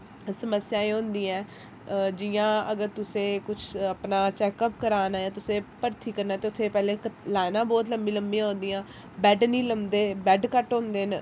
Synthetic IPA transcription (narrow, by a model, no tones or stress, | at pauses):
səməsjãːẽːõːnd̪iːɛ̃ː | d͡ʒɪjãːəɡəɾt̪ʊsẽːkʊt͡ʃʰəpnaːt͡ʃɛːkəpkəɾaːnaːjãːt̪ʊsẽːpəɾt̪ʰiːkəɾnaːt̪eːʊt̪ʰːeːpɛːleːlaːnãːbɔːt̪̬ləmbiːləmbĩãɦõːnd̪iːãː | bɛːɖniːləmd̪eːbɛːɖkəʈɦõːnd̪eːn